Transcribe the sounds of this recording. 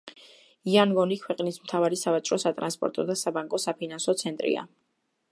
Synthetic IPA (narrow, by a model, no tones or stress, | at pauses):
ianɡɔnikʰwɛqʼnismt̪ʰavaɾisavat̪t͡ʃʼɾɔsat̪ʼɾanspʼɔ̰ɾt̪ʼɔd̪asabaŋkʼɔsapʰinansɔt̪sʰɛnt̪ʼɾḭa̰